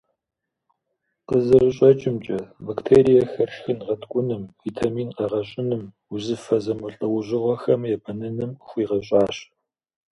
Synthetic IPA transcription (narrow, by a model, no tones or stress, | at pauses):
qəzɨrɨɕʼɐt͡ʃʼɪmt͡ʃʼɐbɐktʰeːɾijɐxɐrʂxɨnʁɐtʰkʷʼʊnɨmvitʰamiːnqɐʁɐɕʼɪnɨm | uzɨfɐzɐmɨɬʼɨwʊʑʷɪʁʷɔxɐmjɛbɐnɐnɨmxʷiːʁɐɕʼɑːɕ